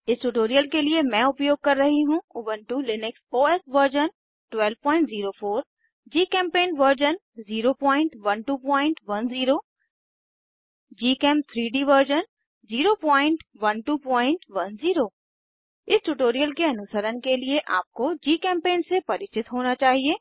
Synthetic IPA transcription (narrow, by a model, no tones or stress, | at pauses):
ɪsʈʊʈoːɾijəlkeliemɛ̃ʊpjoːɡ̚kɐɾːɐɦiɦũʊʋənʈulɪnɪksoːɛːsʋəɾd͡ʒən | ʈʋɛːlʋpɔ̃ːɪ̃ɳʈziːɾofʰoːɾ | d͡ʒiːkɛ̃ːmpeːnʋəɾd͡ʒən | ziːɾopɔ̃ːɪ̃ɳʈʋɐnʈuːpɔːɪ̃ɳʈʋɐnziːɾoː | d͡ʒiːkɛːm̚t̪ʰɾiːɖiʋəɾd͡ʒən | ziːɾopɔ̃ːɪ̃ɳʈʋɐnʈuːpɔ̃ːɪ̃ɳʈʋɐnziːɾoː | ɪsʈuʈoːɾijəlkeɐnʊsəɾənkelieʔaːp̚kod͡ʒiːkɛ̃ːmpẽːnsepɐɾɪt͡ʃɪt̪ɦoːnat͡ʃaːɦieː